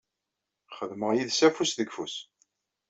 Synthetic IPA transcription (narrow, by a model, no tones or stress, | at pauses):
χəðməʁjiðsæfusðəɡfus